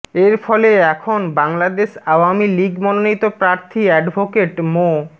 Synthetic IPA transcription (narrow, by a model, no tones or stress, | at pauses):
eɾfɔleɛkʰonbaŋlad̪eʃawamiliɡmɔnonit̪opɾaɾt̪ʰiɛɖbʱokeʈmo